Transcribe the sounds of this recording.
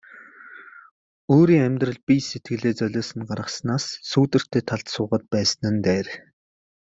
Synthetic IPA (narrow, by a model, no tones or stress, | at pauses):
oːɾiːŋæmʲt̪rə̆ɮpiset̪̚ɡɘ̆ɮeːt͡sœɮʲɔːsə̆nɢaɾʁə̆snaːsːuːt̪ɘ̆r̥t̪ʰeːt̪ʰaɮt̪sʊːʁə̆t̪̚pæːsə̆nɘ̆nt̪æːr